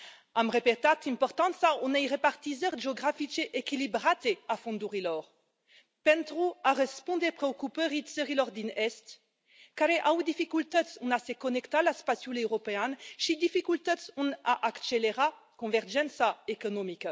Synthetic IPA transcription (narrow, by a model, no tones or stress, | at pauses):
amʁepet̪at̪ĩmpɔʁt̪ɑ̃nsaɔ̃nɛjʁepaʁt̪izɛʁʒeɔɡʁafit͡ʃeʔekilibʁat̪eafɔ̃nd̪uʁilɔʁ | pɛnt̪ʁuaʁespɔ̃nd̪epχeokupøʁit̪səʁilɔʁd̪inɛst̪ | kaɾeʔawd̪ifikylt̪ɛd̪sɔ̃nasekɔnɛkt̪alaspasjulewʁɔpeanʃid̪ifikylt̪ɛd̪sɔ̃naʔakt͡ʃeleʁa | kɔ̃vɛʁʒɛnsaekɔnɔmika